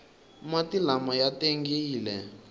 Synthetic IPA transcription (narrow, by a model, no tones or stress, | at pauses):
mwatilamɔjateŋɡiːlɛ